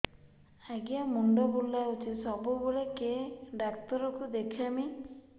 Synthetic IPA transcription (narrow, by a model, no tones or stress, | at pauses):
aɡiamuɳɖɔbulːaut͡ʃʰisɔbubuɭekeɖakt̪ɔɾɔkud̪ekʰami